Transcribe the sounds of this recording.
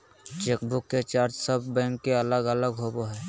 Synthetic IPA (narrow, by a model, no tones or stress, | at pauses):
t͡ʃeːkbʊkːet͡ʃaːɾd͡ʒsəbːɛ̃ːŋkːeələɡələɡɦoboɦɛː